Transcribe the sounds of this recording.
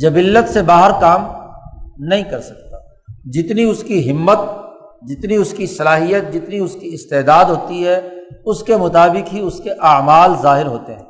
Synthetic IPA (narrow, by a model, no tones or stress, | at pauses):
d͡ʒɐbiːlːət̪sebaːɦəɾkaːm | nɐɦĩkɐɾsɐk̚t̪aː | d͡ʒɪt̪niʊskiɦɪmːət̪̚ | d͡ʒɪt̪niʊskisɐlaːɦijət̪̚d͡ʒɪt̪niʊskiɪst̪eːd̪aːd̪ɦoːt̪iɦɛʊskemʊt̪aːbɪkɦiʊskeʔaːmaːlzaːɦɪɾɦoːt̪eɦɛ̃ː